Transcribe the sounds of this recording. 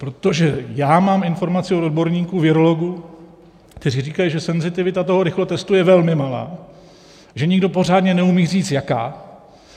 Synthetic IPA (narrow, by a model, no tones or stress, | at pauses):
pɾo̞t̪o̞ʒɛjaːmaːmɪnfo̞ɾmat͡sɪo̞d̪od̪̚bo̞ɾɲiːkuvɪɾo̞lo̞ɡu | kt̪ɛriːriːkajiʒɛsɛnzɪt̪ɪvɪt̪at̪o̞ɦo̞ɾɪxlot̪ɛst̪ujɛvɛlmɪmala̰ː | ʒɛɲɪɡdo̞po̞r̝aːdɲɛnɛumiːr̝iːt͡sjaka̰ː